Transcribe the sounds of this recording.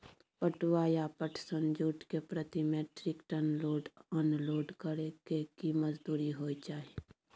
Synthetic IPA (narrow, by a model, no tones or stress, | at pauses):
pəʈwaːjapəʈʰsə̃nd͡ʒuːʈkepɾət̪imẽʈɾɪkʈənloːɖɔːnloːɖkəɾeɡekiməd͡ʒd̪uːɾiɦoːit͡ʃaːɦie